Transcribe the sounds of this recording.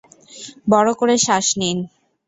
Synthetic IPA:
bɔɽokoɾeʃaʃnin

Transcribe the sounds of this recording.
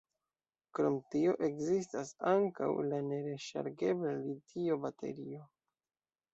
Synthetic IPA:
kɾo̞mtio̞ʔe̞kzis̬tasaŋka̰wlane̞ɾe̞ʃa̰ɾɡe̞blalitio̞batʰe̞̰ɾio̞

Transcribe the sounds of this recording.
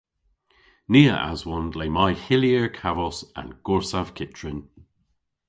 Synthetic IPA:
niːə̰ʔa̰zwɔnleːmajhɪljəɹkʰavɔsa̰nɡ̥ɔɹsav̥kʰɪt͡ʃɹɪn

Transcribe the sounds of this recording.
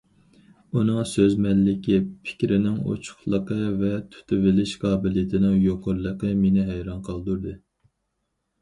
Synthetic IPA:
unɨŋsøzmɛlːɪkʲipʰɪ̥kʲɾɪnɪŋo̰t͡ʃʰʊ̥χlˠəqəvɛt̪ʰy̥t̪ʰɪvɪlɪʃqʰɑːbɪlɪjet̪ʰɪnɪŋjoqʰʊɾlˠəqəmenɪɦæjɾɑnqʰəlˠd̪uɾd̪ɨ

